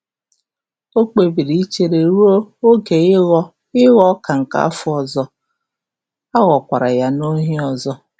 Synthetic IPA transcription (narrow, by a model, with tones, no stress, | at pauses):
o˦k͡pe˨bi˨ɾi˦i˦t͡ʃe˨ɾe˨ɾu˦o˦o˦ɡe˨˦ | ɪ˦ɣɔ˦ka˨ŋ̩˨ka̰˦a˦fʊ˦ɔ˨zɔ˦ | a˦ɣɔ˨kʷa˨ɾa˨ja˦no˦ɦi˦ɔ˨zɔ˦